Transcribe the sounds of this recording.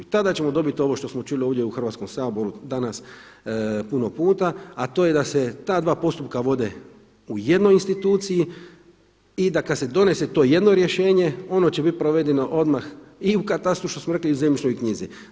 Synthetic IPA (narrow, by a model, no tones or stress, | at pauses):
t̪ad̪at͡ɕe̞mod̪o̞bit̪io̞ʋo̞ʃt̪o̞smo̞t͡ʃulioʋd̪ʲjeuxr̩ʋat̪sko̞msaːbo̞ɾud̪anas | puno̞puːt̪aat̪o̞ːje̞d̪aset̪aːd̪ʋaːpo̞st̪up̚kaʋo̞d̪e̞ | uje̞d̪no̞jinst̪it̪uːt̪siji | id̪akad̪se̞d̪o̞ne̞se̞t̪o̞ːje̞d̪no̞ɾje̞ʃe̞ːɲe̞o̞no̞t͡ɕebit̪̚pɾoʋe̞d̪eno̞ʔo̞d̪maxiukat̪ast̪ɾuʃt̪o̞smoɾe̞kliuzemit͡ʃno̞jkɲizḭ